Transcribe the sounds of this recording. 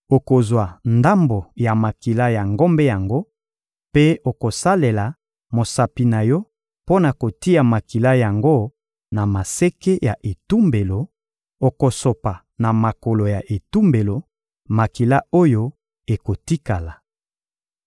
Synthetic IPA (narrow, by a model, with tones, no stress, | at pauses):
o˨ko˨zwa˨nda˦mbo˨ja˨ma˨ki˨la˦ja˨ŋɡo˦mbe˦ja˨ŋɡo˦ | pe˦o˨ko˨sa˦le˨la˨ | mo˨sa˨pi˨na˨jɔ˦ | po˦na˨ko˨ti˦a˨ma˨ki˨la˦ja˨ŋɡo˦ | na˨ma˨se˦ke˦ja˨ʔe˨tu˦mbe˨lo˨ | o˨ko˨so˨pa˨ | na˨ma˨ko˨lo˨ja˨ʔe˨tu˦mbe˨lo˨ | ma˨ki˨la˦o˦jo˦ | e˨ko˨ti˦ka˨la˨